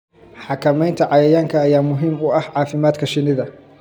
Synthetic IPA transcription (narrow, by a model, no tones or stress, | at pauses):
ħɑkʰɐmɛjnt̪ʰɐʕɑjɐjaːŋkʰɐːjaːmʊɦiːmʊɐhʕɑːfɪmaːd̪kʰɐʃɪnɪðɐ